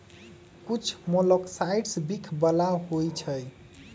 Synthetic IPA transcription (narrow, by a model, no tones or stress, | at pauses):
kut͡ʃʰmolɔksajɖsbikʰbəlaɦojt͡ʃʰəj